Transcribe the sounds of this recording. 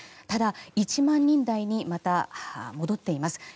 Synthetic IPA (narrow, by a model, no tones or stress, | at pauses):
t̪ad̪ait͡ɕimãɲ̟ːĩnd̪aiɲ̟imat̪amo̞d̪o̞t̪ːe̞imasɨ̥